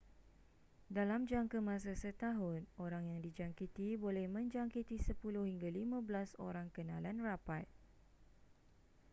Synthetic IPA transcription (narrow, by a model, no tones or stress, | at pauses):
dalamd͡ʒaŋkamãs̬asət̪aɦʊnoɾaŋjaŋdid͡ʒaŋkit̪ibolɛhmə̃ɲd͡ʒaŋkit̪isəpulʊhiŋɡalimãbəlaso̰ɾaŋkənãlanrapat